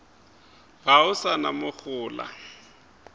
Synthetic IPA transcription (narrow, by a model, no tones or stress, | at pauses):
ɣaʊsanamʊk͡xʊːla̰